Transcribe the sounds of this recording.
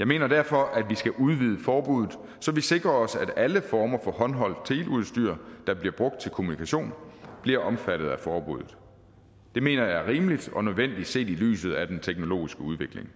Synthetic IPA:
jɑ̈ɪme̝̰ːnɐd̥æɐ̰fɒ̽ʔæd̥ʋisɡ̥æʔuð̞ˠʋið̞ˠəfɒːb̥uðˠð̩ˠ | sɒ̽ʋise̝ɡ̥ʁɐɒ̽sæd̥æləfɒːmɐfɒ̽hɒ̽nɦɒ̽l̰t͡sʰe̝ːluð̞̩ˠsd̥y̰ɐ̰d̥ɑ̈b̥liɐb̥ʁɔ̽ɡ̥d̥̚t͡sʰe̝lkʰo̝munikʰæɕo̝̰ːnb̥liɐʔɒ̽mfæɾ̥ð̞̩ˠæfɒːb̥ṵð̰ˠð̩ˠ | d̥e̝me̝̰ːnɐjɑ̈æɐʁiːməlid̥ɒ̽nøð̞ˠʋen̰d̥id̥se̝̰ːd̥ily̰ːsð̞̩ˠæd̥ent͡sʰeɡ̥no̝lo̝̰ːisɡ̥əuð̞ˠʋe̝ɡ̥le̝ŋ

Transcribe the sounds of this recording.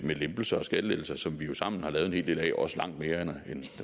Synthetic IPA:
melemb̥l̩sɐɒ̽sɡ̥ædled̥l̩sɐsɒ̽mʋijo̝sɑ̈m̰n̩hɑ̈lɛːð̞ˠene̝̰ld̥e̝lɛ̰ːʔɒ̽səlɑ̈ŋ̰d̥me̝ːɐenen

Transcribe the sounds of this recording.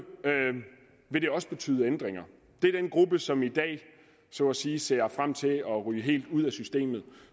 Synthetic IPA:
ø | ʋe̝ɾe̝ɒ̽səb̥e̝t͡sʰy̰ːðˠend̥ʁeŋɐ | d̥e̝ɐd̥enɡ̥ʁub̥əsɒ̽mid̥ɛ̰ː | sɔæsiːse̝̰ːɐfʁam̰t͡sʰe̝ɒ̽ʁyːɦe̝̰ːld̥uð̞̰ˠæsysd̥e̝̰ːmð̩ˠ

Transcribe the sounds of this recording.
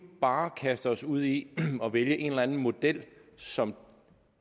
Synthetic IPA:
b̥ɑ̈ːkʰæsd̥əɒ̽suð̞̰ˠiɒ̽ʋeljəʔe̝nelænn̩mo̝d̥el̰sɒ̽m

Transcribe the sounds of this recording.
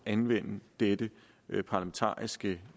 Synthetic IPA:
ænʋen̰d̥ed̥ə | pʰɑ̈læment͡sʰɑ̰̈ːisɡ̥ə

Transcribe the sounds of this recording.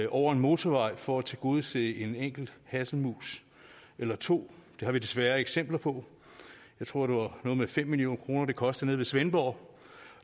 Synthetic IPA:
ʔɒʊ̰ɐe̝nmo̝ːt͡sʰɒʋɑ̈ɪ̰fɒæt͡sʰeɡ̥o̝ːðˠse̝e̝neŋ̰ɡ̥l̩d̥hæsn̩mṵːs | ʔelɐt͡sʰo̝̰ːd̥e̝hɑ̈ʋid̥e̝sʋæːɐeɡ̥sem̰b̥lɐpʰɒ̽ | jjɑ̈ɪt͡sʰʁo̝ɐ̰d̥eʋɑ̈nɔ̽ːðˠmefem̰ːilio̝̰ːnkʰʁo̝ːnɐd̥e̝kʰɒ̽sd̥̩ˠne̝ðˠʋe̝sʋenb̥ɒʊ

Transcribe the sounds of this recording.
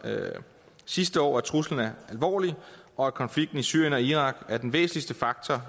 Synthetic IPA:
sisd̥əɒ̰ːæt͡sʰʁusln̩æɐælʋɒ̰ːliɒ̽ækʰɒ̽nfliɡ̥̚d̥n̩isyɐjənɒ̽iʁɑ̈ɡ̥æɐd̥enʋḛːsn̩lisd̥əfɑ̈ɡ̥̚t͡sʰɒ

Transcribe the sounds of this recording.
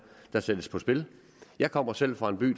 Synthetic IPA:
d̥ɑ̈sed̥əspʰɒ̽sb̥e̝l | jɑ̈ɪkʰɒ̽m̰ɐsel̰fʁɑ̈e̝nb̥y̰ː

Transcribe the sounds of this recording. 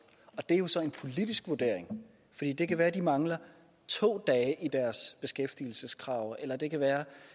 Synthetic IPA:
ɒ̽d̥e̝æɐjo̝sɒ̽e̝npʰo̝lid̥isɡ̥ʋuɐd̥e̝ɐ̰eŋ | fɒ̽d̥ḭːd̥e̝kʰæʋæːɐd̥imɑ̈ŋlɐ | t͡sʰo̝̰ːd̥ɛːɪʔid̥æɐsb̥e̝sɡ̥efd̥il̩səskʰʁɑ̈ʊelɐd̥e̝kʰæʋæːɐ

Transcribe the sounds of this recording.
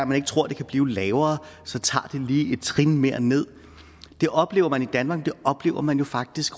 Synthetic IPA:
æmæne̝ɡ̥ə̥t͡sʰʁo̝ɐ̰d̥e̝kʰæb̥liːʊlɛːʊɐːsɒ̽t͡sʰɑ̰̈ːd̥e̝liːe̝d̥̚t͡sʰʁinmeɐ̰ne̝ð̞̰ˠ | d̥e̝ʔɒ̽b̥le̝ːʊɐmænid̥ænmɑ̈ːɡ̥̚d̥e̝ʔɒ̽b̥le̝ːʊɐmænjo̝fɑ̈ɡ̥̚d̥isɡ̥

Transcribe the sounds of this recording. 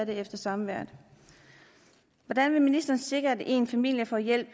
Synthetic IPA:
ɾ̥eefd̥ɐsɑ̈mʋæɐ̰d̥ | ʋɒd̥ænʋe̝minisd̥ɐːnse̝ɡ̥ʁɐæde̝̰ːnfæmil̰jəfɒjel̰b̥

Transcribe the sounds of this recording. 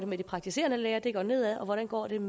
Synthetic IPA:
d̥e̝med̥ipʰʁɑ̈ɡ̥̚t͡sʰise̝̰ɐnəleːɐd̥e̝ɡ̥ɒ̰ːne̝ð̞̰ˠæɒ̽ʋɒɾ̥ænɡ̥ɒ̰ːd̥e̝m

